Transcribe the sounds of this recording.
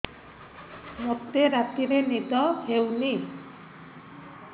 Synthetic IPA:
mokt̪eɾat̪iɾenid̪ɔhewni

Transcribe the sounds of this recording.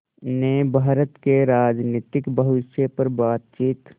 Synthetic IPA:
nebʱaːɾət̪keɾaːd͡ʒniːt̪ɪkbəʋɪsjepəɾbaːt̪̚t͡ʃiːt̪

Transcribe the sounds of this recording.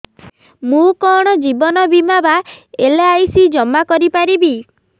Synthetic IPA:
mũkɔɽ̃ɔd͡ʒibɔnɔbimabaeleajsid͡ʒɔmakɔɾipaɾibi

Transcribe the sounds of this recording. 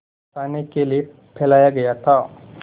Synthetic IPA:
paːnekelie | pʰɛːlaːjaɡɐjat̪ʰaː

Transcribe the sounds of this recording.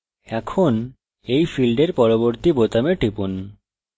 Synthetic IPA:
ɛkʰon | ejfilɖeɾpɔɾoboɾt̪ibot̪ameʈɾipun

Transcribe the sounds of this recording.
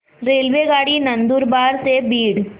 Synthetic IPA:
ɾelʋeɡaɽiːnənd̪uːɾbaɾsebiːɽ

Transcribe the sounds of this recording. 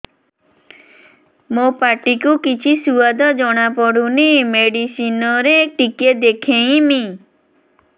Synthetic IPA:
mopaʈikukit͡ʃʰisuad̪ʱɔd͡ʒɔɽ̃apɔɽunemeɽisinɔɾeʈiked̪ekʰẽj̃mi

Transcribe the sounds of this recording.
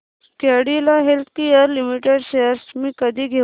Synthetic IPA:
keɽilaɦelt̪ʰkijəɾlimiʈeɖsejəɾsmĩkəd̪ʱiɡʱe

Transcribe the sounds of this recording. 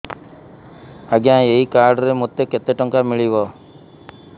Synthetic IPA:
ɐɡãːeikaːɾɖɾemɔt̪ːeket̪ːeʈoŋkamiɭiʋo

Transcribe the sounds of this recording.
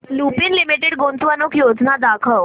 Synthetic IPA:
lupiːnlimiʈeɽɡont͡sʋanokjod͡znad̪akʰəʋ

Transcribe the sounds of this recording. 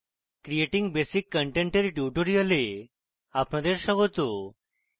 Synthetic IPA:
kɾijeʈĩŋɡbesikːəɳʈẽɳʈeɾiʈjuʈoɾijəle | apnãd̪eɾɕaɡot̪o

